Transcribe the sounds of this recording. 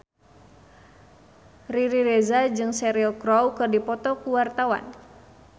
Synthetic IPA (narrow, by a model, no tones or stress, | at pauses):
riɾiɾɛzad͡ʒɨŋsɛɾiɔkɾɔwkɨrdipɔt̪ɔkuwart̪awa̰n